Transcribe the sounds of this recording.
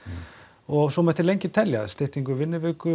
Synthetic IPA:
ɔɣsɔmɛht̪ɪlejɲcɪt̪ʰɛljast̪ɪht̪iŋkʏvɪnːɪvɪːkʏ

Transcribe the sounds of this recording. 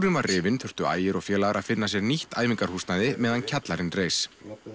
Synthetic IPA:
ɾʏnvarrɪːvɪnθʏr̥t̪ʏa̰ːjɪɾɔɣfjɛːlaɣaɾaðfɪnːas̬jɛɾniht̪ʰaːjviŋkaɾ̥husnaðɪmɛːðancʰat̪laɾɪnreːjs

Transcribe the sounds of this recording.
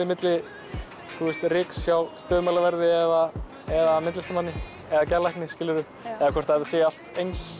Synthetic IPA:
ɪmɪt̪lɪ | θuɛst̪rɪːksːjawst̪œːðmalavɛɾðɪɛða | ɛðamɪt̪lɪst̪amanːɪ | ɛðacɛɾlajknɪscɪːlɪɾʏ | ɛðakʰvɛɾ̥t̪haaseːjaal̥t̪ejns

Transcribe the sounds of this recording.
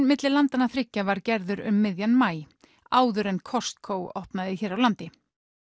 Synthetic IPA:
mɪt̪lɪlant̪anːaθɾɪcːavaɾcɛɾðʏɾʏmːɪðjanmaːj | aːwðʏɾɛnkʰɔ̥st̪kʰoːwɔhpnaðɪçɛːɾawlant̪ɪ

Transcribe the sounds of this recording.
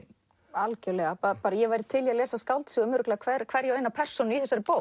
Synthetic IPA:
alcœlɛɣapapaːɾajɛvajɾɪ̥t̪ʰɪljalɛːsaskawlt̪siːɣʏmʏɾklakʰvɛɾkʰvɛɾjɛœːjnapʰɛr̥sɔnʏiθɛsaɾɪpoːw

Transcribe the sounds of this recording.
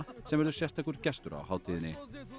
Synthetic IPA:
sɛmvɛɾðʏsjɛst̪akʰʏɾcɛst̪ʏɾa̰haːwt̪ʰiːðɪnːɪ

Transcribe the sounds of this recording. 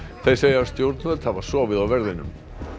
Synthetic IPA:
θejseːjaaɾst̪jowɾt̪naðɛlt̪havḁsɔːvɪðawvɛɾðɪnʏ̰m

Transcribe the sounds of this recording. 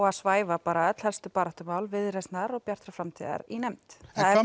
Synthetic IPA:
ɣaðsvaːjvapaːɾaœt̪l̥hɛlst̪ʏpaːɾaht̪ʏmaːwlvɪðɾɛst̪naɾɔɣpjar̥t̪ɾafɾamt̪ʰḭða̰ɾinɛmt̪θaðɛ

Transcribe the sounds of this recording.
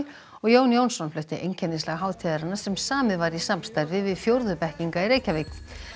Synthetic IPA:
l | ɔɣjoːwnjoːwnsɔnflœht̪ɪʔḛjncʰɛnɪnslaɣɦaːwðt̪ʰiːðaɾanḁsɛmsaːmɪðvaɾisamst̪ajɾvɪvɪðfjowɾðʏpɛhciŋkaiɾeːjcavɪk

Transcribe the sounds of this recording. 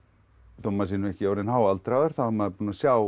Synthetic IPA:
θɔmːasiːnɛhcɪoːwɾɪnhawalt̪ɾawɛɾ̥θamaðpuːnasjaw

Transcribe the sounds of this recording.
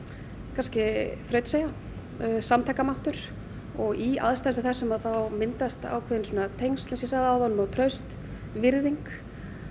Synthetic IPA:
kʰanscɪθɾœɥt̪seːja | samt̪ʰɛkːamawht̪ʏɾ̥ | ɔɣia̰ðst̪ansaθɛsːʏmaðθawmɪnt̪ast̪a̰ːwkʰvɛːðɪnsuɔːnat̪ʰejŋst̪lasɛsaðaːwðanːʏmɔwt̪ʰɾœɥst̪ | vɪɾðiŋk

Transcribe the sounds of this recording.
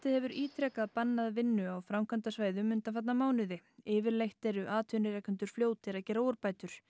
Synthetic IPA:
t̪ɪðhɛvʏɾiːt̪ʰɾɛkaðpanːaðvɪnːʏawfɾamkʰant̪asvaːjðʏmʏnt̪anfat̪namaːwnʏðɪɪːvɪɾlejht̪ɛɾʏʔaːt̪ʰʏnɪɾɛkʏnt̪ʏɾ̥fljoːwt̪ʰɪɾaðcɛːɾowʏɾpaːjt̪ʏɾ̥

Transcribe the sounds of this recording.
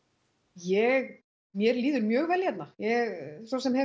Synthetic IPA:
jɛɣ | mjɛɾliːðʏɾmjœːɣvɛljɛt̪najɛɣsowsɛmhɛ

